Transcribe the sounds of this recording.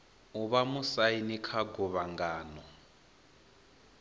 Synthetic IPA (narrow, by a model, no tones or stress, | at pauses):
uβamusainikʰaɡuβaŋɡaːnɔ